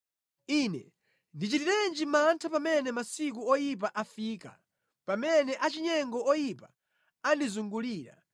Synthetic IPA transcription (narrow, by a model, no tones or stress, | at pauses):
inɛ̰ | ndit͡ʃitiɾɛnd͡ʒimantʰapamɛnɛmasikuɔjip̬aʔafiːka̰ | pamɛnɛʔat͡ʃiɲɛŋɡɔɔjipa | andizuŋɡuliːɾa̰